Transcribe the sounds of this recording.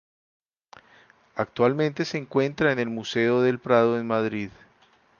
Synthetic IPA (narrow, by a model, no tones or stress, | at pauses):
ak̚t̪walmẽ̞nt̪e̞se̞ːŋkwe̞nt̪ɾaene̞lmuse̞oðe̞lpɾaðo̞enmaðɾið